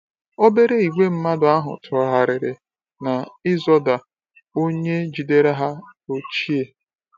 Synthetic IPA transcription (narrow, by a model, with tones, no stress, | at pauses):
o˦be˦ɾe˦i˨ɡ͡bʷe˦m̩˦ma˦dʊ˨a˦ɦʊ̰˨tʰɔ˦ɦa˦ɾɪ˨ɾɪ˨ | na˨ɪ˦zɔ˦da˨ | o˦ɲe˦d͡ʒi˨de˦ɾa˦ɦa˦o˦t͡ʃi˦e˨